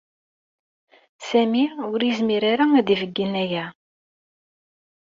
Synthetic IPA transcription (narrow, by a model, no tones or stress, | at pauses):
sæmiʊɾəzmiɾaɾaæðivəɡːinæjæ